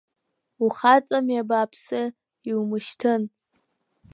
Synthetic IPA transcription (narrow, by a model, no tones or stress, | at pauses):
uχat͡sʼamjabaːpʰsɨ | iwumɨʃtʰɨn